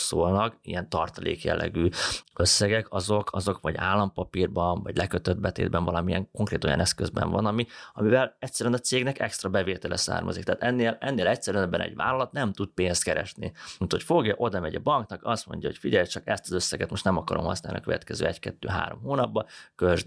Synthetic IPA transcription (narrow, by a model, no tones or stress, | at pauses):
soːlnɒkḭjɛnt̪ɒrt̪ɒlḛːkjɛ̰lːɛ̰ɡyːø̞sːɛɡɛkɒzo̞kʰɒzo̞kvɒɟaːlːɒmpɒpiːrbɒnvɒɟlɛkøt̪ød̪̚bɛt̪ḛːd̪bɛnvɒlɒmiɛŋko̞ŋkreːt̪o̞jɒ̰nɛskøzbɛ̰ɱvɒ̰nɒmiɒmivɛlɛcsɛɾynɒt̪seːɡnɛkɛkst̪rɒbɛveːt̪ɛlɛsa̰ːrmɒ̰zikt̪aːt̪ɛnːeːlɛnːeːlɛcsɛɾyɛnɛbːɛnɛ̰ɟva̰ːlɒlɒt̪nɛmt̪ut̪̚peːnst̪kɛɾɛ̰ʃnḭut̪ho̞cfo̞ɡjɒʔo̞d̪ɒmɛɟɒbɒŋknɒkɒst̪mo̞̰ɲɟjɒho̞̰cfiɟɛjt͡ʃɒkɛst̪ɒzøsːɛɡɛt̪mo̞ʃtnɛmɒkɒɾo̞mhɒ̰sna̰ːlnḭɒkøvɛt̪kɛzø̰ːɛckɛt̪ːø̰ːɦa̰ːɾo̞̰mhoːnɒbːɒkøʒ